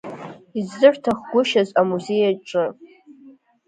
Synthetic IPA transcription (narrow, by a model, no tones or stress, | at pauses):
izːɨrtʰaχɡʷʊʃazamuze̞jaʈ͡ʂʼɨ